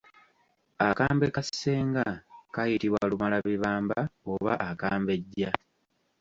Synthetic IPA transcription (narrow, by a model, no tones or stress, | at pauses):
akaːmbekasːe̞ːŋɡakajitiβwalumalaβiβaːmbaoβa̰ʔakaːmbe̞ɟːa